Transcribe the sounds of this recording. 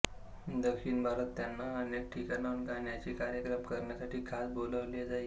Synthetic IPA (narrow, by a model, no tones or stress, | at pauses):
d̪əkʂiːnbʱaɾət̪ːjanːaənek̚ʈʰikanaunkaɳjat͡ɕiːkaɾjəkɾəmkəɾɳjasaʈiːkʰasboləʋled͡zai